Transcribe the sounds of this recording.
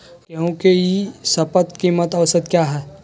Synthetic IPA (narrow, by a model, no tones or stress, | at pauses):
kõkejisɐpət̪kimːət̪ɐʋsət̪̚kjaːɦɛː